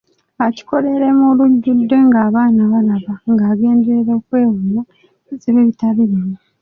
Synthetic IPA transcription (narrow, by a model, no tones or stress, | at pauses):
aci̥ko̞le̞ɾemoluɟːudːe̞ŋɡaːβaːnaβalaβaŋɡaːɡe̞ːndeɾeokwe̞ːwumo | zeβeβitaβiɾemu